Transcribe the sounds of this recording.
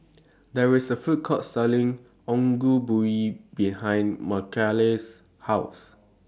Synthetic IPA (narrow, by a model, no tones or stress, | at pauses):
dɛɹɪsəfut̚kʰɔtsɛlĩŋ | ɔ̃ŋɡubuibihãj̃nməkʰɛles | haʊs